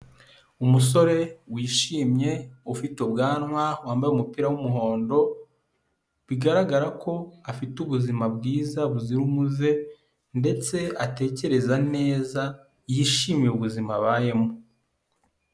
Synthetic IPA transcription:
umus̬o̞ɾe̞wiːʃiːmɲe̞ufitobɡaːnŋwawaːmbajumupiːɾawumuɦo̞ːndo̞ | βiɡaɾaɡaɾakʰo̞afituβuzimabɡiːzaβuziɾumuze̞ | nde̞t͡se̞ate̞ːce̞ɾe̞zane̞ːza | jiːʃiːmjeuβuzimaβaːje̞mu

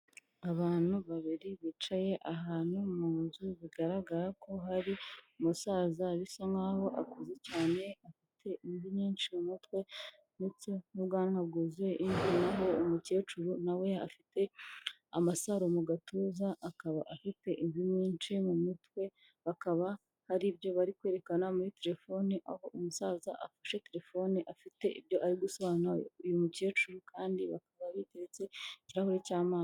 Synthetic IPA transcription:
aβaːn̥huβaβiɾiβit͡ʃaje̞ʔaɦaːn̥humuːnzuβiɡaɾaɡaɾakʰo̞ɦaɾiumusaːzaβisoŋaːho̞ʔakuzecaːne̞afitʰe̞ʔinziɲiːnt͡ʃimumutwe̞ | nit͡sonuβɡaːnhabɡuːzwe̞ʔindinaɦo̞ːmuce̞ːt͡ʃuɾunawe̞a̰fite̞ | a̰masaɾomuɡatʰuːzaʔːkaβaʔafite̞ʔiɱvimiːnt͡ʃimumitwe̞ | βakaβa | haɾibjo̞βaɾikwe̞ːɾe̞kanamuɾite̞ɾe̞fo̞niʔaho̞ʔumusazaʔafḁʃe̞te̞ɾe̞fo̞ːniʔafite̞ʔḭβjo̞ʔaɾiɡusoβaːnaujumuce̞ːt͡ʃuɾukʰaːndiβakaβaβiteɾet͡se̞ciɾahoɾecaːmaːn

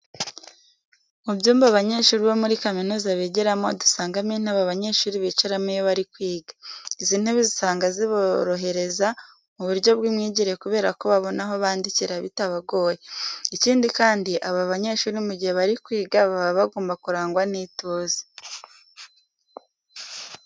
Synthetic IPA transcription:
mubjuːmbaβaɲe̞ːʃuːɾiβomuɾikaminuːzaβeːɟeɾamodu̥saːŋɡamin̥haβaβaɲe̞ːʃuːɾiβit͡ʃeɾamijoβaɾikwiːɡḁiziːn̥heβizisaːŋɡaziβoɾo̞ɦe̞ɾe̞za | muβuɾɟo̞bɡimŋiːɟiɾejekuβe̞ːɾako̞βaβo̞naɦo̞βaːndiciɾaβḭtaβaɡo̞ːjeiciːndikaːndiʔaβaβaɲe̞ːʃuːɾimuɟiheβaɾikwiːɡaβaβaβaɡoːmbakuɾaːŋɡwaniːtoːze̥

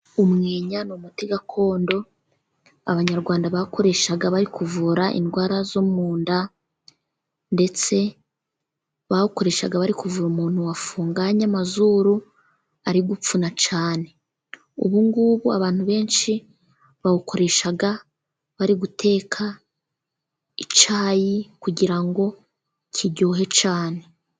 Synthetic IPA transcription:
umŋe̞ːɲanomutiɡakʰo̞ːndo̞ | a̰βaɲaɾɡwaːndaβakʰo̞ɾe̞ʃaɡaβaɾikuvuɾaʔḭndɡwaːɾazomuːnda | nde̞t͡se̞ | βahuko̞ɾe̞ːʃaɡaβaɾikuvuɾumuːn̥huwafuːŋɡaɲamazuɾu | aɾiɡup͡funat͡ʃaːne̞ | ṵβuŋɡuβua̰βaːn̥huβe̞ːnʃi | βahuko̞ɾe̞ʃaɡa | βaɾiɡutʰe̞ːkʰa | it͡ʃaːjikuɟiɾaŋɡo̞ | cʰiɟoːɦe̞t͡ʃaːne̞

